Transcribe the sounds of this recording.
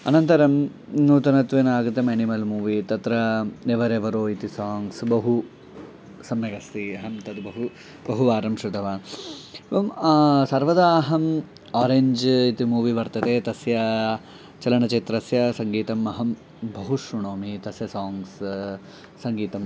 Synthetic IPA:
ɐ̰nɐnt̪ɐɾɐm | nuːt̪ɐnɐt̪ʋenaːɡɐt̪ɐmeːnimɐlmuːʋit̪ɐt̪ɾɐneʋɐɾeʋɐɾoːit̪isaːŋɡsbɐɦu | sɐmjɐɡɐst̪iɐɦɐmt̪ɐd̪bɐɦu | bɐɦuʋaːɾɐmʂut̪ɐʋaːnʋɐmsɐɾʋɐd̪aːɦɐm | aːɾeɲd͡ʒit̪imuːʋiʋɐɾt̪ɐt̪eːt̪ɐsjɐ | t͡ʃɐlɐɳɐt͡ʃeːt̪ɾɐsjɐsɐŋɡiːt̪ɐmɐɦɐm | bɐɦuʂɾuɳoːmit̪ɐsjɐsaːŋɡs | sɐŋɡiːt̪ɐm

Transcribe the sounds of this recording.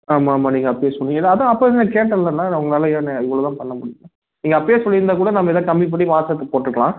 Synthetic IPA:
aːmaːmaːniːŋɡɐɐpːɐjeːsɔɭːɪŋɡɐlaɐðãːɐpːoɪnɐkeːʈːɐlːɐnːãːɐʋɐŋɡɐnaːlɐjaːnãɪʋːɐɭoːt̪ãːpɐɳːɐmʊɽɪjŋɡɐ̃ | niːŋɡɐɐpːɐjeːsɔlːɪɾɯnd̪aːkuːɽɐnɐmːɐɛðãːkɐmbip̬ɐɽːiʋaːsɐt̪ːɐpoːʈːɪɾɯkːɐɭã̰ː

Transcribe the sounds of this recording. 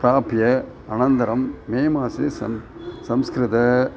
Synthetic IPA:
pɾaːpjɐ | ɐnɐnd̪ɐɾɐmːeːmaːsesɐ | sɐmskɾɪt̪ɐ

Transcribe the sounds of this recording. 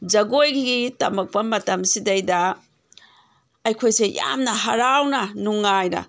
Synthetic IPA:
d͡ʒɐɡojɡiɡitɐ̰mɐk̚pɐmɐtɐmsidɐjdɐ | ɐjkʰojseja̰mnɐɦɐɾawnɐnuŋːajnɐ̰

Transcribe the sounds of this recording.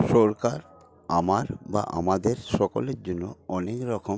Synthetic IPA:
ʃɔɾkaɾ | amaɾba̰ʔa̰mad̪eɾʃɔkoleɾd͡ʑonːoɔnekɾɔkʰom

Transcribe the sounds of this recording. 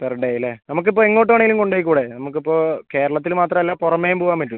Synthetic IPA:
peɾuɳɖeilːenɐmuk̬ːip̬ːoːeŋːoːʈ̬ːaːɳeilumkoɳɖeːjikːuːɽenɐmuk̬ːipːo̞ːke̞ːɾɐɭɐt̪ːilmaːt̪rɐmelːaːpurɐmːeːjumboːʋaːmpɐtːu

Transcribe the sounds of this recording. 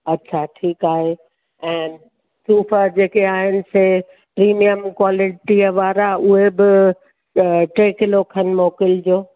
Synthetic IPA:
ɐtːɕʰaʈʰiːkaːɦe | ɛ̃ːn | suːfad͡ʑeːkeaːɦɪnɪ̆se | pɾiːmijəmkwaːlɪʈiəʋaːɾaʊɦebɪ | ʈeːkɪlokʰənmoːkɪld͡ʑoː

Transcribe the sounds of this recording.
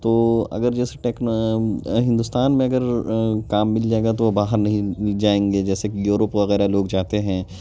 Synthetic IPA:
t̪oːɐ̰ɡəɾd͡ʒɛːse̥ʈɛːkn | ɦɪ̃nd̪uːst̪aːnmẽɐɡəɾkaːmːɪld͡ʒaːeːɡat̪oʋobaːɦəɾnɐɦĩd͡ʒaːẽːŋɡed͡ʒɛːsekijuːɾəpʋɐɣɛːɾaloːɡd͡ʒaːt̪eɦɛ̃ː

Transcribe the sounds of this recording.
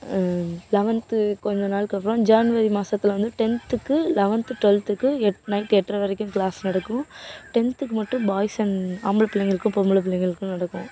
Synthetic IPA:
lɛʋɐnt̪ɯkɔɲd͡ʒɐ̃naːlkɐpːɯɾõːd͡ʒaːnʋɐɾimaːsɐt̪ːɪlʋɐnd̪ɯʈɛnt̪ɯkːɯlɛʋɐnt̪ɯʈʋɛlt̪ɯkːɯɛnɐɪʈːɛʈːrɐʋɐɾɐkːɯ̃mkɭaːsnɐɽɐkːʊ̃ʈɛnt̪ɯkːɯmɐʈːɯ̃baːjɪsɐnaːmbɯɭɐpːɪlɐŋɡɐɭɯkːɯ̃pɔmːɯɭɐp̬ːɪɭːɐŋɡɐɭɯkːɯ̃nɐɽɐkːʊ̃

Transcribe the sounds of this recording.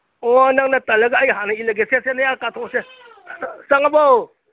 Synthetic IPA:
ɔnaŋnatɐlɐɡaːjɦanaileɡesesenajakatʰɔse | saŋabow

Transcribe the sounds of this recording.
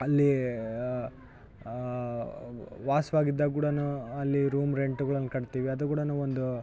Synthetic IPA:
ɐlːi | ʋaːsʋaːɡid̪ːak̬uːɽɐnuɐlːiɾuːmɾeɳʈuɡɐɭɐnːɐkɐɽt̪iːʋiɐd̪ukuːɽɐnuːond̪u

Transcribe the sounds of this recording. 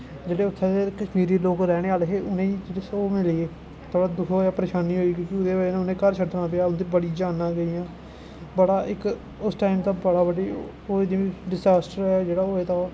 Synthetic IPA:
d͡ʒeːɽeːʊt̪ʰːẽd̪eːkəʃmiːɾiːloːkɾɛːɽ̃eːaːlɦeːʊnẽːid͡ʒeːɽeːsoːmɪlieː | t̪ʰoːɽaːd̪ʊkʰoːjaːpəɾeːʃaːniːɦoːiːɡoːkɪʊd̪eːʋənːʊnẽːkəɾt͡ʃʰəʈ̪nãːpɪjaːʊnd̪ibəɽiːd͡ʒaːnːãːɡəiːjãː | bəɽaːʔɪk | ʊsʈaːimt̪ãːbəɽaːbəɖiː | oːeːd̪iɖɪzaːsʈəɾɛːd͡ʒeːɽaːoːeːt̪ãː

